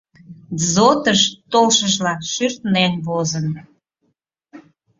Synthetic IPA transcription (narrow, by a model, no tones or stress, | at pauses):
zot̪əʃt̪olʃəʒlɑʃyrt̪nenβozən